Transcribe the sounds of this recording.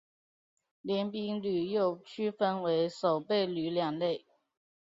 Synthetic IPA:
ljɛ˧˥npi˥ŋly˨˩jo˥˩ʊt͡ɕʰy˥fə˥nwe˧˥ɪʂo˨˩ʊpe˥˩ɪly˨˥ljɑ˨˩ŋle˥˩ɪ

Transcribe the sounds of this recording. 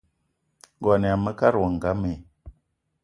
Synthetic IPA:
ɡɔ˨ne˨a˨mːə˦ka˦ɾwo˨ŋ˨ɡa˦me˨

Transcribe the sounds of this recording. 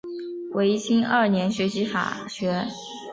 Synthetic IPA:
we˧˥ɪɕi˥nʔɐ˞˥˩njɛ˧˥nɕɥɛ˧˥ɕi˧˥fa̰˨˩ɕɥɛ˧˥

